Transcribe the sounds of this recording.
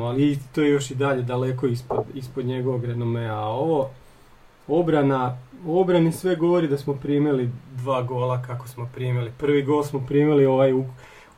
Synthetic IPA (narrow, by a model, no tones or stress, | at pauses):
alit̪oːjejo̞ʃid̪aʎe̞d̪ale̞ko̞ispod̪ispod̪ɲe̞ɡo̞ʋoɡɾenomeao̞ʋo̞ | obɾanao̞bɾanisʋe̞ɡo̞ʋo̞ɾid̪asmo̞pɾimilid̪ʋaːɡo̞lˠakakosmo̞pɾiːmilipr̩ʋiɡo̞ːlˠsmo̞pɾiːmilio̞ʋaju